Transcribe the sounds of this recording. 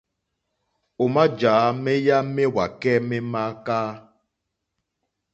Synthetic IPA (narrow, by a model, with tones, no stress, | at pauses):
o˨ma˦d͡ʒaː˨˦me˦ja˦me˦wa˨kɛ˦me˦ma˦kaː˦